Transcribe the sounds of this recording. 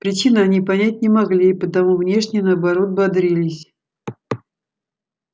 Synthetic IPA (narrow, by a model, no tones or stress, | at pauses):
pɾʲɪt͡ɕinəɐnʲipɐnʲæt̚ʲnʲɪmɐɡlʲiːpət̪ɐmuvnʲe̞ʂnʲɪjənəɐbɐɾo̞t̪̚bɐd̪ɾʲilʲɪsʲ